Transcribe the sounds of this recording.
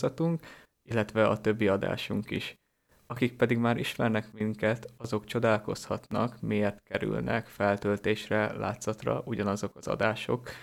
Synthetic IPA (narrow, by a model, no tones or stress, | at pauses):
zɒt̪uŋk | ilːɛt̪ʋɛɒt̪ø̞bːiɒd̪a̰ːʃuŋkḭʃ | ɒkik̚pɛd̪iɡmaːɾʔiʃmɛrnɛkmiŋkɛt̪ɒzo̞kt͡ʃo̞d̪aːlko̞shɒt̪nɒ̰kmiert̪kɛɾy̰lnʔɛ̰kfɛlt̪ølt̪eːʃrɛla̰ːt̪zɒt̪rɒ̰ʔuɟɒnɒzo̞kɒzɒ̰d̪aːʃo̞̰k